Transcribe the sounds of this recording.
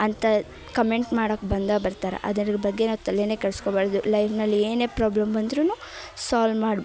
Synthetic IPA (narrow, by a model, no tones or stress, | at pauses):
ɐnt̪ɐ | kɐme̞ɳʈmaːɽoːkːbɐnd̪aːbɐɾt̪aːɾɐ̰ʔɐ̰d̪ɐɾɐɡɐbɐɡːenɐːt̪ɐleneːkɐɭskobaːɽɐd̪ulɐjʋnɐlːieːne̞ːpɾaːblɐmbɐnd̪ɾuːnuː | saːlmaːɽ